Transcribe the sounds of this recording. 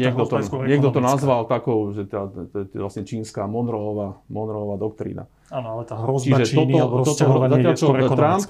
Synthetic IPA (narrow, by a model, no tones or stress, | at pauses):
ɲɪɛɡd̪ɔt̪ɔɲɪɛɡd̪ɔt̪ɔnazʋalt̪akɔʊʒɛt̪aːt̪ɔɛt̪ʋlasɲɛt͡ʃiːnskaːmɔnɾɔɔʋamɔnɾɔɔʋaːd̪ɔkt̪ɾḭːna̰ | analɛt̪aɦɾɔzt͡ʃiʒɛɔnt̪ɔt̪ɔt̪ɔɔzajalt͡ʃɔt̪ɾam